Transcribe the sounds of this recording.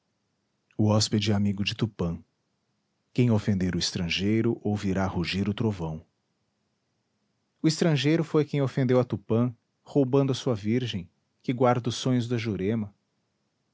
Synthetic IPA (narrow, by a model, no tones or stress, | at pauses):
ʊɔsped͡ʒɪamiɡʊd͡ʒɪt̪upɐ̃ | kẽj̃ofẽnd̪eɾʊɪst̪ɾɐ̃ʒejɾʊʔowviɾahuʒiɾʊt̪ɾovɐ̃w̃ | ʊɪst̪ɾɐ̃ʒejɾʊfojkẽj̃ofẽnd̪ewɐt̪upɐ̃ | howbɐ̃nd̪ʊɐsuɐviɾʒẽj̃ | kɪɡwaɾd̪ʊsːõɲʊzd̪ɐʒuɾẽmɐ